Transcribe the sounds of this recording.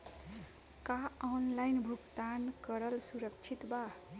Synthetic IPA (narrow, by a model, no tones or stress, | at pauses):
kaɔnlajnbʱuɡt̪ankʌɾʌlsuɾʌkt͡ʃʰit̪ba